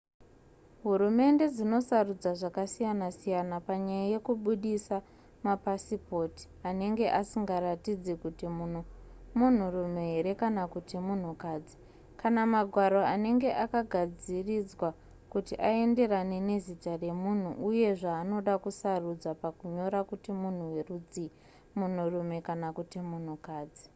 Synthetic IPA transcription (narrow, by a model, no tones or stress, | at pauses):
ɦuɾume̞nde̞d͡zino̞sarud͡zaʐakasijanasijanapaɲajaje̞kuɓuɗisa | mapasipo̞ti̥ane̞ŋɡe̞ʔasiŋɡaɾatid͡zekutimunmun̤urumeɦe̞ɾe̞kanakutimun̤ukaːd͡zi | kanamaɡʱwaɾo̞ane̞ŋɡe̞ʔakaɡʱad͡zirid͡zwa | kutiʔae̞nde̞ɾanene̞zitare̞mun̤uʔuje̞ʐaːno̞ɗakusarud͡zwapakuɲo̞ɾakutimun̤uwerud͡zi | mun̤urume̞kanakutimun̤ukaːd͡zi